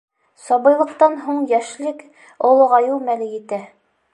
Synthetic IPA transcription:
sɑβɤ̆jlˠɤ̆qt̪ɑnɦuɴjæʃlɘk | ŏlˠɤʁɑjuwmælɘjɘ̆t̪æ

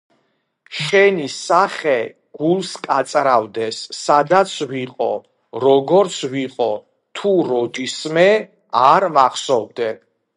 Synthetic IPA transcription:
ʃɛnisaχɛ | ɡ̥ulˠskʼat̪sʼɾavd̪ɛsːad̪at̪sʰviqʼɔ̰ | ɾɔɡɔɾt̪sʰviqʼɔ | t̪ʰuɾɔd͡ʒ̪ismɛ | aɾmaχsɔvd̪ɛ

